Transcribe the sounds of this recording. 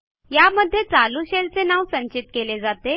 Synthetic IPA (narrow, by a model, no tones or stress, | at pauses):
jaməd̪ʱːjet͡saluɕelt͡senaʋsəɲt͡ɕit̪̚keled͡zat̪e